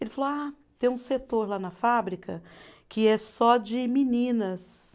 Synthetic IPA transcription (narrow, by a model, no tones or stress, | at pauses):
elɪfaloa | t̪ẽj̃ũset̪oɾlanɐfabɾikʰɐkʰɪɛsɔd͡ʒɪminĩnɐs